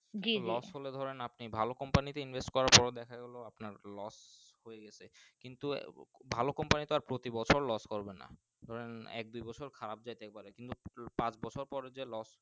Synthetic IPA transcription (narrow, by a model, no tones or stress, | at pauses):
d͡ʑilɔsɦoled̪ʱɔɾenapnibʱalokɔmpanit̪einbʱesʈkɔɾaɾpɔɾed̪ɛkʰaɡɛloapnaɾlɔs | hojeɡɛt͡ɕʰekint̪ubʱalokɔmpanit̪oaɾpɾot̪ibɔt͡ɕʰoɾlɔskɔɾbena̰ | d̪ʱɔɾenɛ̰k̚d̪ujbɔt͡ɕʰoɾkʰaɾab̚d͡ʑajt̪ɛk̚paɾekint̪upãt͡ɕbɔt͡ɕʰoɾpɔɾed͡ʑelɔs